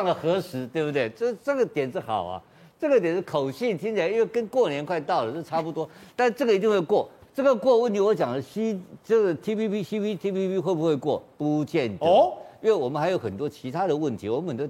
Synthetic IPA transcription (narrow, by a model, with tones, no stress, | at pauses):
ɑ˥˩ŋlə˩xɤ˧˥ʂɻ̩˧˥t̪we˥˩ɪbu˩t̪we˥˩ɪt͡ɕo˥˧ʈ͡ʂɤ˥˩ɡə˩t̪jɛ˨˩nʂɻ̩˥˩xɑ˨˩ʊɐ̰˦ | ʈ͡ʂɤ˥˩ɡə˩t̪jɛ˨˩nʂɻ̩˥˩kʰo˨˩ʊɕi˥˩nt̪ʰi˥ŋt͡ɕʰɛ˨˩˦i˥nwe˥˩ɪkə˥nkwɔ˥˩njɛ˧˥nkʰwa˥˧ɪt̪ɑ˥˩ʊlə˩o˥˧ʈ͡ʂʰa˥˩pu˧t̪wɔ˥t̪a˥˧nʂ̩˥˧ʈ͡ʂɤ˥˩ɡə˩i˧˥t̪i˥˧ŋxwe˥˧ɪkwɔ˥˩ʈ͡ʂɤ˥˩ɡə˧kwɔ˥˧wə˥˩nt̪i˥˩wɔ˧˥t͡ɕjɑ˨˩ŋd̪ə˦ɕi˥ʈ͡ʂɤ˥˩ɡə˩t̪ʰi˥pi˥pi˥ɕi˥pʰi˥t̪ʰi˥pʰi˥pi˥xwe˥˩ɪbu˧xwe˥˧ɪkwɔ˥˩pu˧˥˧t͡ɕjɛ˥˧nti˥nwe˥˩wɔ˨˩mə˦xɪjo˧˥ʊxə˨˩nt̪wɔ˥t͡ɕʰi˧˥t̪ʰa˥d̪ə˨wə˥˩nt̪ʰi˧˥wɔ˨˩mə˦nxə˨˩t̪o˥